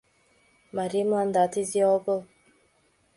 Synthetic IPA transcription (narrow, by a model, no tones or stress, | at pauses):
maɾimand̪atizɔbɔ